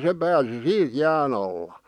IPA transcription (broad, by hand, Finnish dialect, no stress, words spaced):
se pæːsi siːt̆ jæːn ɑlːɑ